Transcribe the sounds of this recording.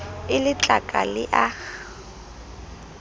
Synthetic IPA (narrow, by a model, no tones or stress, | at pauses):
ɪlɪt͡ɬʼakʼalɪʔa